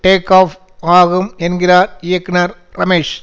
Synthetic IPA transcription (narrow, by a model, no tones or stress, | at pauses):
ʈeːkːaːf | aːɣumenɡilaːɾijɐkːnɐɾ | rɐmeːʂ